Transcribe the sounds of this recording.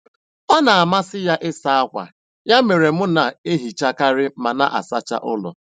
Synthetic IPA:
a˦na˨a˨ma˦sɪ˦ja˦ʔɪ˦sa˦a˦kʷa̰˨ | ja˦me˨ɾe˨mʊ˦na˨e˦ɦi˨t͡ʃa˦ka˦ɾɪ˦ma˨na̰˦˨ʔa̰˨sa˦t͡ʃa̰˦ʔʊ˦lɔ̰˨

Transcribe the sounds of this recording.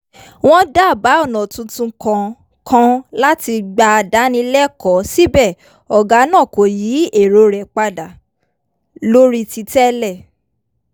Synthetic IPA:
w̃ɔ̃˦da˦˨ba˨˦ɔ˦˨nɔ̃˨tũ˨˧tũ˧kã˧ | kʰã˧la˦ti˧ɡ͡ba˧da˨˦nĩ˧lɛ˦kɔ˨˦si˦bɛ˦˨ | ɔ˨ɡa˨˦nãː˦˨ko˨jiː˨˦e˦˨ɾo˧ɾɛ˨k͡pa˧da˨ | lo˦ɾi˦ti˧tɛ˦lɛ˦˨

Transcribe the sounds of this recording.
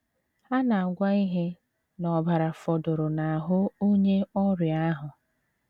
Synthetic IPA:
a˦na˨a˨ɡʷa˦i˦ɦe˦ | nɔ˨ba˨ɾa˨fɔ˨dʊ˨ɾʊ˨na˨a˨ɦʊ˦o˦ɲe˦ɔ˦ɾja˦ɦʊ˨

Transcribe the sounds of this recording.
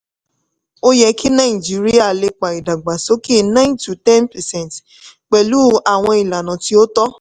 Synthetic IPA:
o˦jɛ˧ki˦nã˦ĩ˨d͡ʒi˨˦ɾi˦a˦˨le˧k͡pa˨i˨da˨ɡ͡ba˨so˨˦ki˦˨nã˦ntu˨tɛ˦npɛ˨sɛ̃˦˨nt | k͡pɛ˨lu˦a˦˨w̃ɔ̃˧i˨la˨nã˨ti˧˦o˦tɔ˦

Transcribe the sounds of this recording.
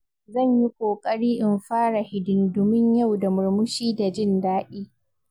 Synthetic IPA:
zɐ˦˨ɲji˦kʷoː˨kʼɐ˦ɽiː˦ʔɪ˨mɸaː˦ɽa˨hɪ˨dʊ˨ndʊ˦mɪ˦ɲja˦˨wda˨mʊ˨ɽmʊ˦ʃiː˦da˨d͡ʒɪ˦ndaː˦ɗiː˦

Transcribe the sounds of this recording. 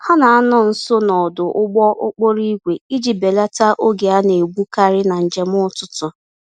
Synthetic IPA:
ha˦na˨a˦nɔ˦˨n̩˦so˦nɔ˨dʊ˨ʔʊ˦ɡ͡bɔ˦ʔʊ˦k͡po˦ɾi˦ɡʷe˨i˦d͡ʒi˨be˨la˦ta˦ʔo˦ɡe˨a˦ne˨ɡ͡bʷu˦ka˦ɾɪ˦na˨n̩˨d͡ʒe˨mʊ˦tʊ˦tʊ˨

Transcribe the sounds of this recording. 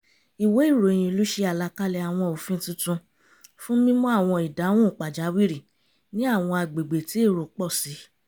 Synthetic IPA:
i˨we˨˦i˦˨ɾo˨j̃ĩ˧˨˧lu˨˦ʃe˧a˨la˧˦ka˦lɛ˧a˨w̃ɔ̃˧o˨fĩ˦tũ˦tũ˧ | fũ˦mĩ˦mɔ̃˦a˦˨w̃ɔ̃˧i˨dã˨˦ɔ̃˦˨k͡pa˨d͡ʒa˨˦wi˦ɾi˦˨ | nĩ˦a˦˨w̃ɔ̃˧a˧˨ɡ͡be˨ɡ͡be˨ti˨˦e˦˨ɾo˨k͡pɔ˦˨si˨˦

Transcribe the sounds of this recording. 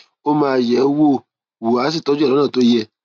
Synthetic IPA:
o˦mãː˧˨jɛ˨˦wo˦˨ | wu˨a˨˦s̬i˦˨tɔ˨˦d͡ʒu˦˨ɔ˦nãː˦˨to˦jɛ˧

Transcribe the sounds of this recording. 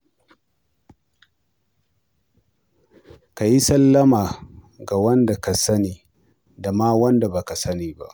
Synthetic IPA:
ka˨ji˦sɐ˦lːɐ˦maː˨ | ɡa˨wɐ˦nda˨ka˨sɐ˦niː˨ | da˨maː˦wɐ˦nda˨ba˨ka˨sɐ˦niː˨ba̰˦ʔ

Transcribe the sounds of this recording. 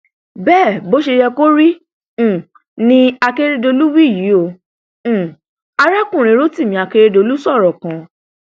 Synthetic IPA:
bɛː˦˨bo˨˦ʃe˧jɛ˧ko˦ɾĩ˦˨ | nĩ˧a˧ke˦ɾe˧do˧lu˦wi˦˨ji˨˦õ˦˨ | a˦ɾa˦kũ˦˨ɾ̃ẽ˨˦ɾo˦ti˦˨mĩ˨a˧ke˧ɾe˧do˧lu˦sɔ˦˨ɾɔ˨kã˨˦

